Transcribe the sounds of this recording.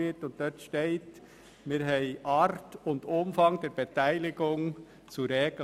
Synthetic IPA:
ɪtʊnt̚dœtʃteɪt | mɪːɾɦɛɪʔɑɾtʊndʊmfɑŋdɛɾb̥etæɪlɪɡʊŋ | t͡suɾɛːɡ

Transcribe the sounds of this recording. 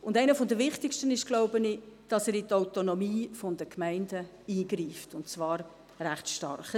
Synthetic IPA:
ʊndæɪnəfɔndəvɪχtɪkʃtənɪʃɡ̥loʊbənɪd̥ɑsɛːɾɪtaʊtonɔmiːfɔndəkʰmæɪndə | iːɡriːftʊntt͡svɑːɾ | ræχtʃtɑ̰rχə

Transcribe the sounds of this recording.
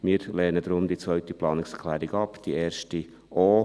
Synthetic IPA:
miːɾlɛːnəd̪ɾʊmd̪it͡sʋœɥt̪iplɑːnɪkskʰlæːɾiɡɑpd̪̥ieːɾʃti | ʔoː

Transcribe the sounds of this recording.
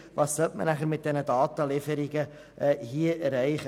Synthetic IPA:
vɑːssœltmə̰næχəɾmɪt̪̚d̥ɛnədɑːt̪əlɪfəɾɪɡə | ʔɛhiəɾɛɪχə

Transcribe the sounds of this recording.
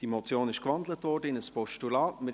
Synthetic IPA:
d̥imɔt͡sjoːnɪʃkvɑndlətvɔːɾdəɪnəspɔʃtulɑːtmɪ

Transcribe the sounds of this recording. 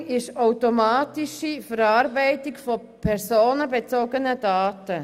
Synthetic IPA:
ɪʃaʊtomɑːtiʃifəɾɑːɾbɛɪtikfɔ | pʰɛɾsoːnəbet͡soːɡənədɑːtə

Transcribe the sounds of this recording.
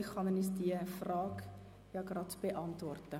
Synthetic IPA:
ɪxχɑnənysd̥iəfrɑːk | jɑɡrɑtb̥eʔɑntvɔrtə

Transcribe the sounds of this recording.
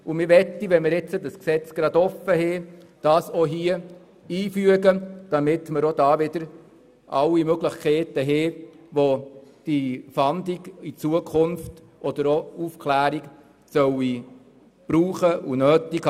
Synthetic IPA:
umɪɾʋɛtːiʋɛnmɪɾɛt͡sədɑsksɛt͡sɡ̥ɾɑd̥̪ɔfəɦɛː | d̥ɑːsoɦiə | iːfyəɡəd̥ɑmɪt̪məɾod̥ɑːʋɪd̥̪əɾ | ʔɑ̰lːimøɡləχkʰɛɪtəɦeː | ʋod̥ifɑnd̪iɡit͡suəkʰʊnft | ɔd̪̥əɾoufkʰlæːɾik | sœwi | b̥ɾuːχəʔunøːtik

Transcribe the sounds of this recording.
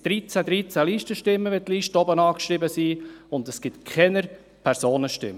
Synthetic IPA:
d̥ɾit͡sæd̪ɾiːt͡sæliːʃtəʃtɪmːəʋɛt̪liːʃtəɔbənɑːkʃɾɪbəsiːʊnd̪əsɡ̥ɪt̪kʰɛnəɾ | pʰæɾsoːnəʃtɪ̰m

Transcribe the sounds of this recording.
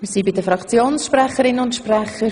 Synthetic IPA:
msiːbɪdəfɾɑkt͡sjoːnsʃprɛχəɾɪnəʊntʃprɛχəɾ

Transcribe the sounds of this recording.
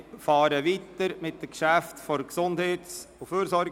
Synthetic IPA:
fɑːɾəʋitəɾmɪt̚dəkʃæftfɔɾksʊndheːtuføːɾsɔɾ

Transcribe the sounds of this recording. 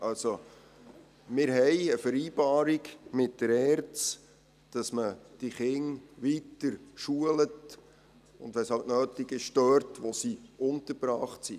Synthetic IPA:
ʔɑlso | mɪːɾɦɛjəfəɾiːbɑːɾiɡmɪt̚d̥əɾɛːɾt͡s | d̥ɑsməd̥iχɪŋʋitəɾʃuələt | ʊnd̥ʋɛshɑwʔnøːtiɡɪʃd̥œɾtʋosiʊntəɾbɾɑːχtsi

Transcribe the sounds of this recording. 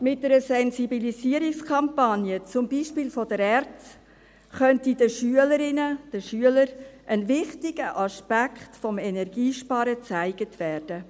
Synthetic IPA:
mɪt̚dɛɾəsɛnsibilisiəɾikskʰɑmpɑnjət͡sʊmbiːʃpɪːlfɔd̥əɾɛrt͡s | χœntidəʃyələɾɪnəd̥əʃyələɾʔənvɪχtɪɡ̥əʔɑʃpækχtfɔmɛnɛrɡiːʃpɑːɾət͡sæɪɡətʋɛːrd̥ə

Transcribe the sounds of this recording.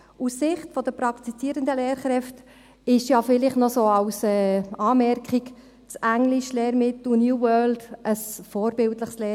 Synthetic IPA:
ussɪχtfɔd̪əpɾɑkt̪it͡siːɾənd̪əleːɾχɾɛft | ɪʃjɑfɪlɪχtnɔsoːɑwsɛːɑːmɛɾkχik | t͡sæŋliʃleːɾmɪt̪unjuːwœːld̥ʔəsfoːɾbɪltləχsleː

